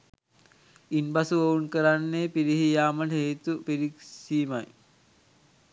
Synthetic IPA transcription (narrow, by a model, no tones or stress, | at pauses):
inbɐsuʋɐunkəɾanːeːpiɾiɦijaːmɐlɦejt̪upiɾiksiːmaj